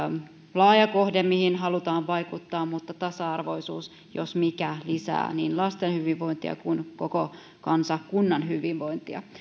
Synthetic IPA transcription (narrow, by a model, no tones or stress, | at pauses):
lɑːjɑko̞hdemihinɦɑlut̪ɑːʋʋɑjkut̪ːɑːmmut̪ːɑt̪ɑsɑɑrʋo̞isṵːs | josmikælisæ̰ːniːnlɑst̪enhyʋiʋːo̞int̪iɑ̰kunkoko | kɑnsɑkkunːɑnɦyʋiʋʋo̞int̪iɑ̰